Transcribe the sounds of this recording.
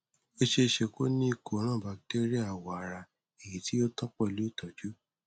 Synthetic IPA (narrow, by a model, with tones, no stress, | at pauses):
o˦ʃe˧ʃe˧ko˦nĩ˦i˦˧˨ko˨˦ɾ̃ãː˦˨ba˨k̚te˦ɾi˦a˦˨wɔ˨a˨ɾa˧ | e˨ji˨˦ti˦jo˦tɔ̃˦k͡pɔ˦˨lu˨˦˨tɔ˨d͡ʒu˦